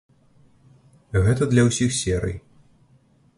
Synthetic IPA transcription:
ɣɛt̪ɐd̪lʲɐwsʲixsʲɛɾɨ̰j

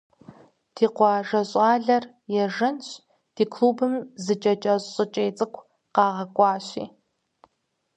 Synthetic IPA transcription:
d̥ʰiːqʷɑːʒɐɕʼɑːɮɐr | jɛʒɐnɕ | d̥iːkʰluːbɨmzɨt͡ʃʼɐt͡ʃʼɐɕɕʼɨt͡ʃʼejt͡sʼɨkʷʰ | qɑːʁɐkʷʼɑːɕḭː

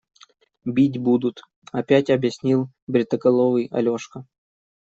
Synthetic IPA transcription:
bʲitʲbud̪ʊt̪ | ɐpʲætʲɐbjɪsʲnʲilˠ | bɾʲɪt̪əkɐlˠovɨjɐ̰lʲoʂkə

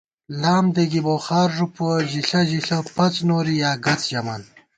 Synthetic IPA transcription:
laːmd̪eɡiboːxaːɾʐupoʑiɬɐʑiɬɐpɐt͡snoːɾijaːɡɐt͡sʑɐman

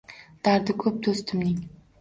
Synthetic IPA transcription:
d̪̥aɾd̪ɪkʲʰɵp̚d̪ost̪ʰɪmnɪŋ

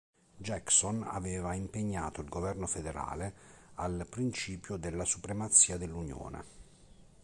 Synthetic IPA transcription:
d͡ʒɛksona̰vɛːvaimpeɲːaːt̪oilɡovɛrnofed̪eɾa̰ːlealpɾint͡ʃiːpjod̪elːasupɾemat̪sːiːad̪elːunjo̰ːnḛ

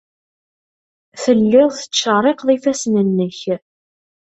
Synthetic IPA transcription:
θəlːɪʁθə̥t͡sːəɾˤeqðˤifæsnənːəç

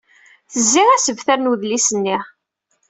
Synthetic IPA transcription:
θəzːiʁæsəvθæɾnuðlisənːiʁ

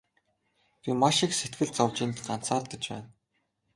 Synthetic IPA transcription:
pʲimaʃikset̪ɡɘ̆ɮt͡sʰɔwt͡ɕĭːnt̪ɢan̥t͡saːɮt̪ə̆t͡ɕpæ̰ːn

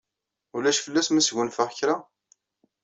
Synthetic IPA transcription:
ʊlæʃfəlːæsmæsʝʷunfəʁçɾa

